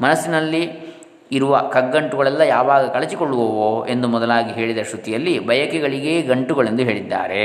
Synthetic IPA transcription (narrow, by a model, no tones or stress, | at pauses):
mɐnɐsːinɐlːiː | ɾuʋɐkɐɡːɐɳʈuɡɐɭɛlːɐjaːʋaːɡɐkɐɭɐt͡ʃikoɭːuʋɐʋoe̞nd̪umɔd̪ɐlaːɡiɦe̞ːɭid̪ɐʃɾut̪ijɐlːibɐjɐkɛɡɐɭiɡe̞ːɡɐɳʈuɡɐɭe̞nd̪uɦe̞ːɭid̪ːa̰ːɾe̞